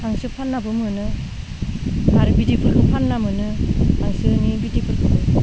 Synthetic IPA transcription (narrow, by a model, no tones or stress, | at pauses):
hʰaŋsɯpʰanːabɯmɯnɯ | haɾbidipʰɯɾɡɯpʰanːamɯnɯtʰaŋsɯnibidipʰɯɾkʰɯɯ